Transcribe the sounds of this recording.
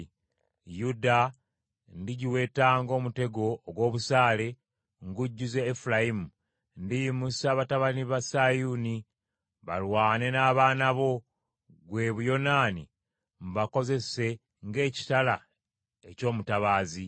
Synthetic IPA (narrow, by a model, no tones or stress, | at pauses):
juda | ndiɟiwe̞ːtaːŋɡo̞ːmute̞ɡo̞ːɡwo̞ːβusaːle̞ | ŋɡuɟːuze̞ːfulajimu | ndijimusaːβataβaniβasajuni | βa̰lwaːne̞naːβaːnaβo̞ | ɡwe̞ːβujo̞naːni | mβako̞ze̞se̞ | ŋɡe̞ːci̥tala | eco̞ːmutaβaːzi